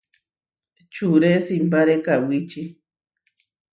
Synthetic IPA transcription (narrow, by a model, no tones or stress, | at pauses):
t͡ʃuɾesimpaɾekawit͡ʃi